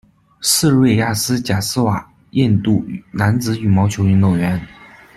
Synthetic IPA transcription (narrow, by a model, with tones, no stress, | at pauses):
sɹ̩˥˧ɻwe˥˩ɪja˥˩sɹ̩˥t͡ɕja˨˩sɹ̩˥wa˨˩ | jɛ˥˧nt̪u˥˩na˧˥nt͡sɹ̩˧˥y˨˩mɑ˧˥ʊt͡ɕʰjo˧˥ʊy˧˥no˥˩ʊɥɛ˧˥n